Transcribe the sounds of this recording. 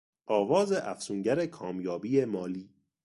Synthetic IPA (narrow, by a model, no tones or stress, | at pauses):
ʔɒːvɒːze̞ʔæfsuːŋɟæɾekʰɒːmjɒːbiːjemɒːliː